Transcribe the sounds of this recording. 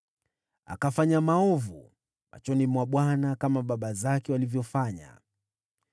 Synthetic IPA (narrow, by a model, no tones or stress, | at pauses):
a̰kafaɲamaɔvṵ | ma̰t͡ʃɔnimwaɓwanakamaɓaɓazakɛwalivjɔfaɲa̰